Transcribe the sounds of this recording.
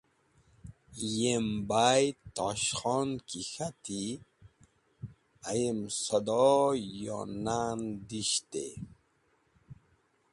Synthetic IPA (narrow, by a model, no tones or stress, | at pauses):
jembaːjt̪ɔɕxɔːnkixat̪i | ajemsɐd̪ɔjɔ̰nand̪iɕt̪ḛ